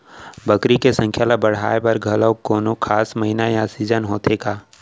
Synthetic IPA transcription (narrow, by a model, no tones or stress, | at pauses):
bəkɾikesə̃ŋkʰjalabəɽ̤a̰ːepɐɾɡʱɐləwkoːnokʰaːsmɐɦinajaːsid͡ʒənɦoːt̪eːɡaː